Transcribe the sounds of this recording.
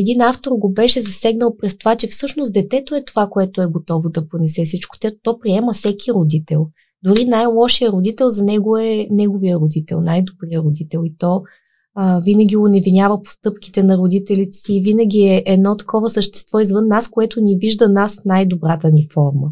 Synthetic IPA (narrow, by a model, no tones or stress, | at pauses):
ɛd̪inaft̪oɾɡobɛʃɛzɐsɛɡnəlˠpɾɛst̪ovat͡ʃɛfsɤʃnosd̪ɛt̪ɛt̪oɛt̪ovakoɛt̪oɛɡot̪ɔvod̪ɐponɛsɛfsit͡ʃko̥t̪ɛt̪ɔpɾiɛməfsɛkʲʰiɾod̪it̪ɛlˠ | d̪ʊɾinajlˠɔʃijəɾod̪it̪ɛlˠzɐnɛɡoɛnɛɡovijəɾod̪it̪ɛ̰lˠnajd̪obɾijəɾod̪it̪ɛlˠit̪ɔ | vinəɡʲiʊnɛvinʲjavəpo̥st̪ɤpk̟i̥t̪ɛnɐɾod̪it̪ɛlit̪ɛ̥siːvinəɡ̟ʲiɛʔɛd̪nɔt̪ɐ̥kɔvəsəʃt̪ɛ̥st̪vɔizvɤnːaskoɛt̪ʊniviʒd̪ənasfnajd̪obɾat̪ənifɔɾmə